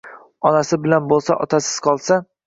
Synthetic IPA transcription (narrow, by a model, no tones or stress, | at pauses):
ɒnasɪbɪlanbolˠsaʔɒt̪ʰasɪz̥qʰɒlˠsa